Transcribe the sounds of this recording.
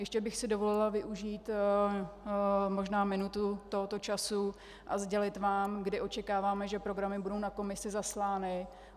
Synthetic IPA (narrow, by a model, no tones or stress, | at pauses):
jɛʃcɛbɪxsɪdo̞vo̞lɪlavɪʔuʒiːt̪ | mo̞ʒnaːmɪnut̪ut̪o̞ɦot̪o̞t͡ʃasu | ʔazɟɛlɪt̪vaːmɡdɪʔo̞t͡ʃɛkaːvaːmɛʒɛpɾo̞ɡɾamɪbudo̞wnako̞mɪsɪzaslaːnɪ